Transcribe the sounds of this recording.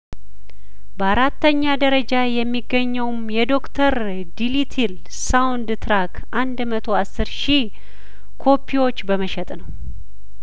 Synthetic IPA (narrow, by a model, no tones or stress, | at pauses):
bəaɾat̪ːəɲːad̪əɾəd͡ʒajɛmːiɡːəɲːəwmjɛd̪o̞kt̪ʰəɾ | d̪ilit̪ʰil | sawnd̪t̪ʰɾakʰʔand̪mət̪ʰo̞asːɨɾʃi | kʰo̞pʰːiwo̞t͡ʃːbəməʃɛt̪ʼnəw